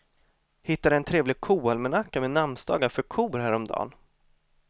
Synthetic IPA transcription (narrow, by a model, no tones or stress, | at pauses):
hɪt̪ːad̪ɛɛnt̪ʰɾeːvlɪɡ̚kʰuːalmɛnakːamɛnamnsd̪ɑ̰ːɡafœɾkʰuːɾhɦæːɾɔmd̪ɑ̰ːn